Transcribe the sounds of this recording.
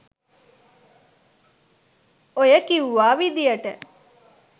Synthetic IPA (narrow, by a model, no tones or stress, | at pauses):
ojəkiuʋaːʋid̪ijɐʈə